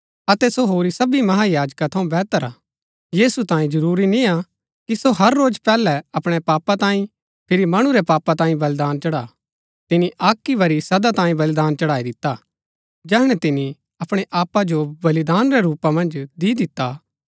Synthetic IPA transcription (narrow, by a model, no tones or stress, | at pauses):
ɐt̪ɛsoɦoːɾisɐbimɐɦajaːd͡ʒkat̪ʰɐũbɛːt̪əɾaː | jiːsut̪ãːĩd͡ʒɐɾuːɾinia | kisoɦɐɾːoːd͡ʒpɛːlɛɐpɽ̃ɛpaːpat̪ãːĩ | pʰɪɾimɐɽ̃uɾɛpaːpat̪ãːĩbɐld̪aːnt͡ʃɐɽaː | t̪ɪniʔaːkːiʋɐɾisɐd̪at̪ãːĩbɐld̪aːnt͡ʃɐɽaːid̪ɪt̪ːa | d͡ʒɛːɦɽ̃ɛt̪ɪni | ɐpɽ̃eʔaːpːad͡ʒobɐlid̪aːnɾɛɾuːpamɐ̃nd͡ʒd̪iːd̪ɪt̪ːa